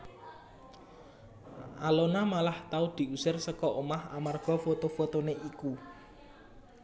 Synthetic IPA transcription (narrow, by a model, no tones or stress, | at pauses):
ʔalonamalaht̪aud̪̥i̤usɪrsəkɔʔomaha̰marɡ̥ɔ̤fot̪ofot̪oneʔiku